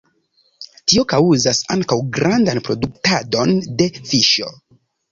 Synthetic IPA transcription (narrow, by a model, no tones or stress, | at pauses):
tio̞kawuzasaŋkawɡɾandanpɾo̞duk̚tado̞nde̞fiʃo̞